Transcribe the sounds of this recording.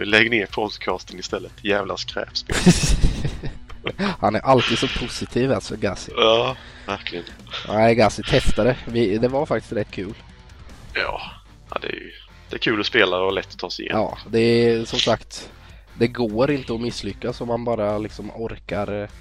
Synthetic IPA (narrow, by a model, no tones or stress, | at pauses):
ɪlɛɡəneːɾpʰɔd̪kʰɑːst̪ənɪst̪ɛlːət̪ʰjæːvlaskɾɛ̰ːpspe | hanæɾʔalt̪iːd̪sɔpʰʊsɪt̪ʰiːvalsɔɡasɪɑ | væɾkʰlɪənnæɪɡasɪt̪ʰɛst̪aɾəvɪd̪ɛvaɾfak̚t̪ɪ̥st̪ɾɛt̪ːkʰʉ̟ːl | jɑ̰ː | a̰d̪ɛ̰æ̰j̰ | d̪̥ɛækʰʉ̟ːlɔspeːlaɾɔlɛt̪ːɔ̥t̪ʰːɑːsɪjɛ̰ɑ̰ːd̪ɛsɔmsakt̪ | d̪ɛɡoːɾɪnt̪əɔmɪsːlʏkːasɔmːanbɑːɾalɪksɔmɔɾkaɾ